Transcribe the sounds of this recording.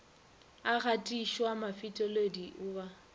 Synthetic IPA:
aɣatʼiʃwamafitʼɔlediʔʊːba

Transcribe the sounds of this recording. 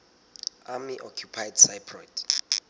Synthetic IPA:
amiʔɔkʰjupʰajdsajpʰrɔjd

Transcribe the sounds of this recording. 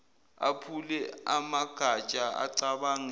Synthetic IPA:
a̰pʰulɛamaɡ̥ʱat͡ʃʼaa̰ǀaɓaŋ

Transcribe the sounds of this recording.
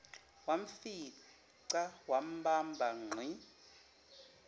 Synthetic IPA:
waɱfi | ǀawam̩bambʱaŋ͡ǀʱi

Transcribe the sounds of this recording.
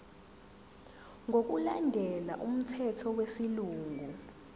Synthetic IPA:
ŋok̬ulandʱɛla̰ʔum̩tʰɛtʰɔwesiluːŋʱu

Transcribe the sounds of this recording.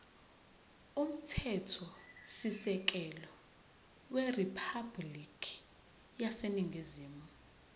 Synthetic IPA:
um̩tʰɛtʰɔsisɛk̬ɛlɔ | weripʰablikʰi̥ | jaseniŋʱiziːmu

